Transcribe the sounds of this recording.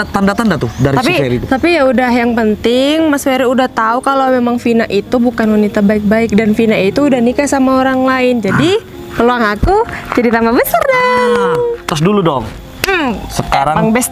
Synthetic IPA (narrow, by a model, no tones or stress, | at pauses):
t̪andat̪andat̪ʊdaɾiapieɾit̪ut̪apijaudaɦjaŋpənt̪ɪŋmasfeɾiudaht̪aukalowmemaŋfinaʔit̪ubukanwanit̪abaɪk̚baɪk̚danfinaʔit̪uːdahnikajsamaoɾaŋlaɪnd͡ʒadi | pəluaŋakud͡ʒadit̪ambabəsarda | t̪ɾʊs̬duludɔŋ̩ | səkaɾaŋbɛs